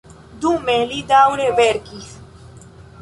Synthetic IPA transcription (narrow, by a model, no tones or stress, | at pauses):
d̪umelid̪awɾeβeɾkis